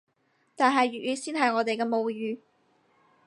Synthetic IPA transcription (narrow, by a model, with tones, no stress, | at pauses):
t̪aː˨nɦɐ˨jɥyː˨t̚jyː˨˧siː˥nɦɐ˨jŋɔː˨˧t̪e˨jkɛː˧mo˨˧wjyː˨